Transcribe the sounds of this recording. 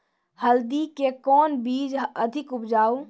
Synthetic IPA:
həld̪ikekɔːnbiːd͡ʒəd̪ʱɪkʊpd͡ʒaːu

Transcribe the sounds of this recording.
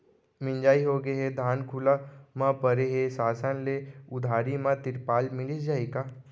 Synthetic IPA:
mɪ̃nd͡ʒaːiɦoːɡeɦed̪ʱaːnkʰʊlamãpɐɾeɦesaːsənleʊd̪ʱaːɾimãt̪ɪɾpaːlmɪlid͡ʒaːikaː

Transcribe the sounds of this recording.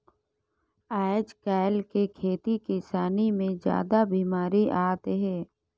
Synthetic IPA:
aːɪd͡ʒkaːɪlkekʰeːt̪ikɪsaːnimẽd͡ʒja̰ːd̪abiːmaːɾiʔaːt̪ɦɛː

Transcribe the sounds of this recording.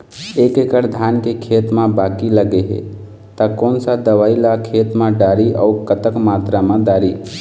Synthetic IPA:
eːkekəɽd̪ʱjaːnkekʰeːt̪mãbaːkiləɡeɦḛ | t̪akoːnsad̪əʋaːilakʰeːt̪mãɖaːɾiʔəukət̪əkmaːt̪ɾamãɖaːɾi

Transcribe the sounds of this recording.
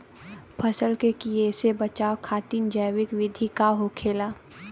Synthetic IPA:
pʰɐsəlkekiesebɐt͡ʃaːokʰaːt̪iːnd͡ʒəjʋɪkʋɪd̪ʱikaɦokʰeːlaː

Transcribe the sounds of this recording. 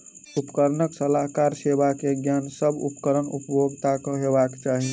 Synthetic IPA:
upkəɾnəksəlaɦkaɾsebakeɡjansəbṵpkəɾənṵpjoɡt̪akəɦebakt͡ʃaɦi

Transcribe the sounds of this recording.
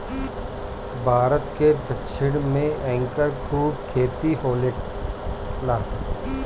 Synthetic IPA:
bʱaːɾət̪ked̪ɐkʃɪɽ̃mẽʔɛ̃ːŋkəɾkɾuːʈkʰeːt̪iɦoːleː | laː

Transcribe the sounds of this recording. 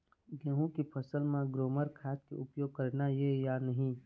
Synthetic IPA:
ɡẽːɦũkipʰəsəlmãɡɾoːməɾkʰaːt̪̚kḛʊpjoːɡ̚kəɾnajejanəɦĩː

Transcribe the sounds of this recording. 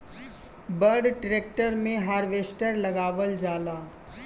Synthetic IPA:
bəɾɖʈɾeːk̚ʈəɾmẽɦaːɾʋeːsʈəɾlɐɡaːʋəld͡ʒaːlaː

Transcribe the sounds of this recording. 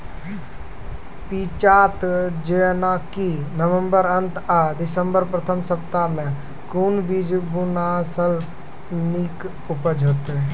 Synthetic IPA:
pit͡ʃaːt̪d͡ʒenakinəʋə̃mbəɾənt̪ad̪ɪsəmbəɾpɾət̪ʰəmsəpt̪amẽ | kunbid͡ʒbunasəl | nik | ʊpəd͡ʒʱot̪

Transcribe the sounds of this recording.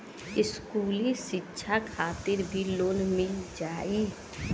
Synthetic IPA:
ɪskuːlisɪtːʃʰakʰaːt̪ɪɾbʱiloːnmɪld͡ʒaːi

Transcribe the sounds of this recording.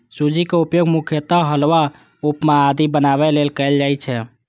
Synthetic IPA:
sud͡ʒikeupjoɡmukʰjət̪aɦəlwa | upmead̪ibənabɛlelkɛeld͡ʒajt͡ʃʰɛ

